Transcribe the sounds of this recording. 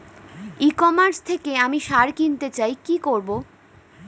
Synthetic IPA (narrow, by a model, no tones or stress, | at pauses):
ikɔmaɾst̪ʰekeamiʃaɾkint̪et͡ɕajkikoɾbo